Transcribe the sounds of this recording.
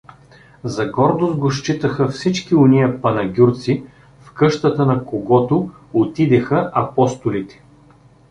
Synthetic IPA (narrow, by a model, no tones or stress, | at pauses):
zɐɡɔɾd̪onɡoʃt͡ʃit̪əxəfsit͡ʃkionijəpɐnɐɡʲuɾt̪si | fkɤʃt̪ət̪ənɐkoɡɔt̪o | ot̪id̪ɛxəʔɐpɔst̪ʊlit̪ɛ̥